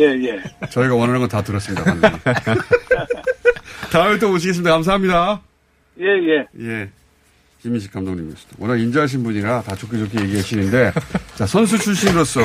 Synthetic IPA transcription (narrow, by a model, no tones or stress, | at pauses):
jejet͡ɕʌiɡawʌnʌɾɦanŋɡʌntatɯɾʌs͈ɯmɲidaand | taɯmet̬͈opoɕ̬iɡes̬ɯmid̪ak͈ams̬aɦamɲida | je̞je̞je̞ | imiɕ̬ʰi̥k͈ʰamdoŋimiʌɕi̥d̥̪awʌnaind͡ʑʌɦaɕ̬ʰinbuɲiɡatat͡ɕʰok͈ʰid͡ʑokʰije̞ɡiɦaɕʰinɯnde̞t͡ɕasʰʌns̬ʰut͡ɕʰuɭɕʰinɯɾos͈ʌ